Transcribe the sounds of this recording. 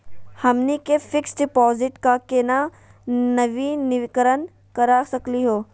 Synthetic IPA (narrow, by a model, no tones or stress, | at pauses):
hɐmnikefɪksɖɪpɔːzɪʈkakeːna | nɐʋinɪʋɪkəɾən | kɐɾasɐkliɦoː